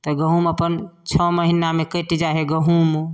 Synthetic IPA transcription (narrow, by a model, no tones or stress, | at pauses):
t̪ɔɡəɦuməpənt͡ʃʰəməɦinamekəʈd͡ʒaɦeɡəɦum